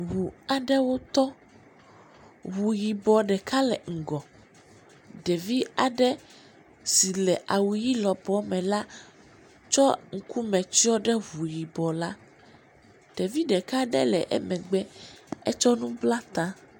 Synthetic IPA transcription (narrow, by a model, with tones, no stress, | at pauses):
ɦu˨a˨ɖɛ˦wo˦t̪ɔ˦ | ɦu˨ji˨bɔ˨ɖɛ˨ka˦lɛ˨ŋ̩˨ɡɔ˨ | ɖɛ˨vi˦a˨ɖɛ˦ | si˨lɛ˨ʔa˨wu˨ji˦lɔ˨bɔ˨mɛ̃˨la˦ | t͡ʃɔ˦ŋ̩˦kʰu˦mɛ̃˨t͡ʃi˦ɔ˦ɖɛ˦ɦu˨ji˨bɔ˨la˦ | ɖ̥ɛ˨vi˦ɖɛ˨ka˦ɖɛ̰˦lɛ˨ʔɛ̰˦mɛ̃˨ɡ͡bɛ˦ɛ˦t͡ʃɔ˦nũ˦bla˦t̪ã˦